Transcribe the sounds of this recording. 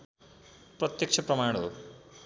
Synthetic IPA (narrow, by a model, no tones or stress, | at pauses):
prʌt̪jʌkt͡ʃʰʌprʌmaɽ̃ɦo̰